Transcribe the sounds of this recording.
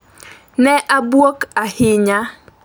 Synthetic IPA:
nɛʔabuokahɪɲa

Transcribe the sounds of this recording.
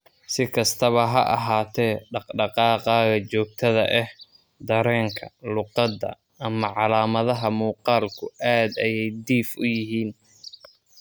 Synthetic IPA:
sɪkʰɐst̪ʰɐβɐɦɐʔɑɦaːt̪ʰɛːɖɑqɖɑqɑːqɑːɣɐt͡ʃɔːɡ̚t̪ʰɐðɐʔɛh | d̪ɐɾɛːŋkʰɐlʊqɑd̪ɐ̰ | ɐmɐʕɑlaːmɐðɐɦɐmuːqɑːlkʰʊʔaːd̪ɐjɛjd̪iːfʊjɪɦiːn

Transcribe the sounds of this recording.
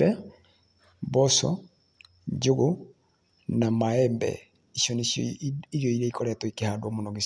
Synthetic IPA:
ɛ | bɔsɔ̰ | d͡ʒuɣo | namaɛmbɛ̰ | iʃɔniiɾjɔiɾɛikɔɾɛtɔikehadwɔmonɔɡis

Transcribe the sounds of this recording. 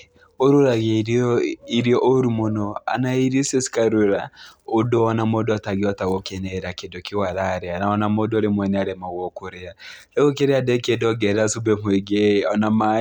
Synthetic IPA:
oɾuɾaɣeɾiɾiɔʔoɾumonɔa̰naiɾisesi̥kaɾuɾaodoɔnamodoataɣiɔtaɣokenɛɾakedokiwaɾaɾeanaɔnamodoɾemwɛneaɾɛmaɣɔkoɾea | ɛɣokeɾeadɛkedɔɡɛɾasubɛmweɡeɔnama

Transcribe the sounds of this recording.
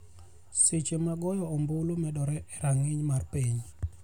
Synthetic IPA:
set͡ʃemaɡɔjɔɔmbolomɛdɔɾɛɛɾaŋɪɲmarpiɲ

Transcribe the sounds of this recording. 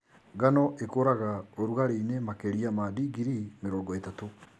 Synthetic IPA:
ɡanɔʔekoːɾaɣaoɾuɣaɾeinemakeɾiamadiɡiɾimeɾɔːŋɡɔetato

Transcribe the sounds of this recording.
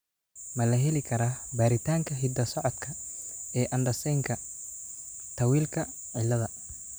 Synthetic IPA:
mɐlɐɦɛlɪkʰɐɾaːbaːɾɪt̪ʰaːŋkʰɐɦɪd̪ɐsɔʕɔd̪kʰɐɛːʔɐnɖ̪ɐsɛjŋkʰɐ | t̪ʰɐwiːlkʰɐ | ʕɪlːɐðɐ

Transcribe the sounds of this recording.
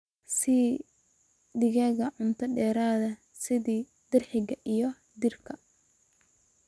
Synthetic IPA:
si | d̪ɪɣɛːɣɐʕʊnt̪ʰɐɖɛːɾaːðɐ | sɪðiː | d̪̥ɪrħɪɣɐʔijɔ | d̪ɪrkʰɐ

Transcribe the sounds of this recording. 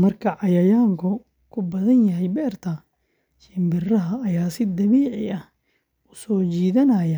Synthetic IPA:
mɐrkʰɐʕɑjɐjaːŋkʰʊ | kʰʊbɐðɐnjɐɦɛjbɛːrt̪ʰɐ | t͡ʃɪmbɪrɐɦɐːjaːsɪd̪ɐβiːʕɪɐh | ʊsɔːt͡ʃiːðɐnɐjɐ

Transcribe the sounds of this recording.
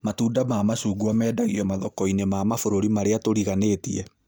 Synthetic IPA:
matuːdamaːmasuːɡuamɛːdaɣiɔmaðɔkɔinemaːmafoɾoɾimaɾeatoɾiɣaneːtiɛ

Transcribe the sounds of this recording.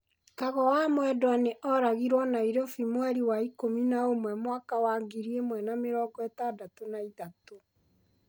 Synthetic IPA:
kaɣɔwamwɛdwaneʔɔɾaɣiɾwɔnaiɾofimwɛɾiwaikominaomwɛmwakawaɡiɾiemwɛnameɾɔːɡɔɛtadatonaitato

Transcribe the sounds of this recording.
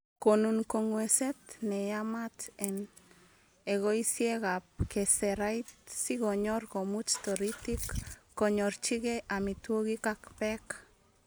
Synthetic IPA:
konunkoŋwɛset̪nɛjamat̪ɛn | eɣoisjeɣap̚kɛsɛɾajtsiɣoɲɔrkomut͡ʃt̪ɔɾit̪ikːoɲɔɾt͡ʃiɣɛʔamit̪woɣikakpɛk

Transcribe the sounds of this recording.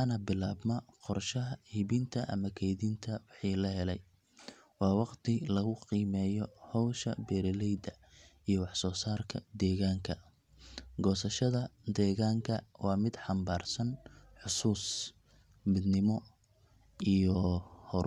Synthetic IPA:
anɐbɪlaːbnɐqɔrʃɐɦɐhiβɪnt̪ʰɐʔɐ̰mɐkʰɛjðint̪ʰɐwɑħiːlɐɦɛlɛj | wɑːwɑqt̪ʰɪlɐɣʊqiːmɛːjɔhɔwʃɐ̰bɛːɾɛlɛjd̪ɐ | ijɞwɑħsɔːsaːrkʰɐd̪ɛːɣaːŋkʰɐ | ɡɔːsɐʃɐðɐd̪ɛːɣaːŋkʰɐwɑːmɪd̪ħɑmbaːrsɐnħʊsuːs | mɪd̪nɪmɔ | ijɔhɔɾ

